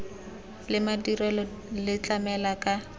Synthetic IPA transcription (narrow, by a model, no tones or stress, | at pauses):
lɪmadirɛlɔ | lɪt͡ɬʼamɛlakʼa